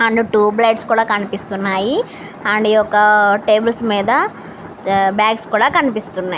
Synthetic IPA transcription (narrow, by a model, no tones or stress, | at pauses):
ɐɳɖuʈuːbleːɖskuːɽaːkɐnipist̪unːaːji | ɐɳɖijɔkːɐʈeːbɐlsmiːd̪ɐ | bjaːkskuːɽaːkɐnipist̪unːaːji